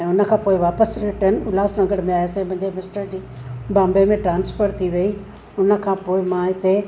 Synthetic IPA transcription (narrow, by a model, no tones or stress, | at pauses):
ɛ̃ːʊnə̆kʰãːpoːɪʋaːpəsɾɪʈənʊlaːsnɐŋɡəɽmẽaːjasẽmɐ̃ɦɪ̃ɲd͡ʑemɪsʈəɾd͡ʑiːbãːmbemẽʈɾãːnsfəɾt̪ʰiʋɐi | ʊnə̆kʰãːpoːɪmãɦɪt̪e